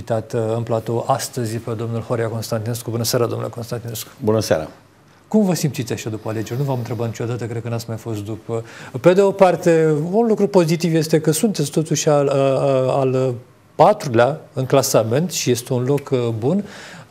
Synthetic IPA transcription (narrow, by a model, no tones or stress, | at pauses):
it̪at̪ɨnplat̪o̞ʔast̪əzʲjpe̞d̪o̞mnulhoɾiako̞nst̪ant̪ine̞skubunəseaɾad̪omnuleko̞nst̪ant̪ine̞sku̥bunəsa̰ɾa̰ | kumvəsimpt̪sit̪sʲaʃad̪upəale̞d͡ʒe̞ɾʲnuvamɨnt̪ɾe̞bat̪nit͡ʃo̞d̪at̪əkɾed̪̚kənat̪sʲmajfo̞st̪̚d̪upəpe̞d̪e̞opart̪e̞unlukɾupo̞zit̪ivje̞st̪e̞kəsunt̪et̪sʲt̪o̞t̪uʃʲa | al | pat̪ɾuleaɨŋklasame̞nt̪ʃije̞st̪e̞unlo̞kbun